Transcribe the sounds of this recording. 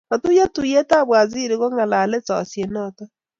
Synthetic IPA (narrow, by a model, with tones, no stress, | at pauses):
na˨tu˦ja˦tu˨je˦ta˦βwa˨zi˦ɾi˦ɣo˦ŋa˨la˨le˦t͡sɔ̰˨sje˨nɔtɔ˦